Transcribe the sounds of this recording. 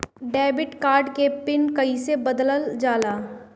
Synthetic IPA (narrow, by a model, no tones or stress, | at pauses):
ɖɛːbɪʈkaːɾɖkepɪnkɐisebɐd̪ləld͡ʒaːlaː